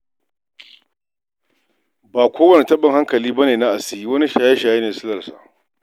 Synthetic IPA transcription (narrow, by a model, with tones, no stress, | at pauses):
baː˨kʷʰoː˦wɐ˨ni˨tɐ˦ɓɪ˨ŋha˦ŋkɐ˨liː˦bɐ˦neː˨na˦ʔa˨sɪ˦ji˦wɐ˦ni˦ʃaː˨je˦ʃaː˨je˦neː˨sɪ˦lɐ˨rsa̰˨ʔ